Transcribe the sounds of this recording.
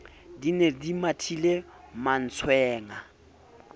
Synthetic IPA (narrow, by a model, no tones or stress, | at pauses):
dinedimatʰileman̩t͡sʰwɛːŋa